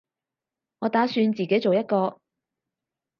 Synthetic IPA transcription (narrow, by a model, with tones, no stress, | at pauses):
ŋɔː˨˧t̪aː˨˥syː˧nt͡siː˨˩ke˨˥jt͡so˨wjɐ˥t̚kɔː˧